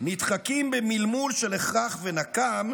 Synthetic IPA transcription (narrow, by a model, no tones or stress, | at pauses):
nit̪χakimbemilmulʃeleχʁaχvenakam